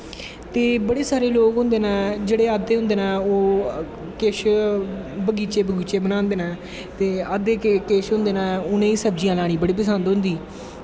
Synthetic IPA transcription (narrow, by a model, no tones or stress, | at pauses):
t̪eːbəɽeːsaːɾeːloːkʊ̃nd̪eːnãːd͡ʒeːɽeːaːd̪eːɦʊ̃nd̪eːnaːoː | keʃ | bəɡiːt͡ʃeːbəɡiːt͡ʃeːbənãːnd̪eːnãː | t̪eːaːd̪eːkkeːʃɦʊ̃nd̪eːnãːʊnẽːiːsəb̚d͡ʒijãːlaːɽ̃ĩːbəɽiːp̬əsənd̪ɦʊ̃nd̪iː